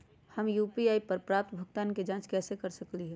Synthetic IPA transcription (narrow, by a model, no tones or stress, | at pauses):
həmjupiaːipəɾpɾap̚t̪bʱəɡt̪aːnked͡ʒãːt͡ʃkɛːsekəɾsəkliɦɛ